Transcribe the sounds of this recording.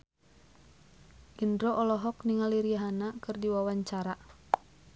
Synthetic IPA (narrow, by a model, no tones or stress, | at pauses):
ʔindɾɔʔɔlɔɦɔkniŋaliɾiaɦanakɨrdiwawaɲt͡ʃaɾa